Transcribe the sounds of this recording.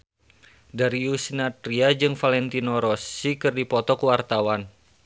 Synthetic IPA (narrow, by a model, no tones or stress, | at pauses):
daɾiusnat̪ɾiad͡ʒɨŋfalɛnt̪inoɾɔsikɨrdipɔt̪ɔkuwart̪awan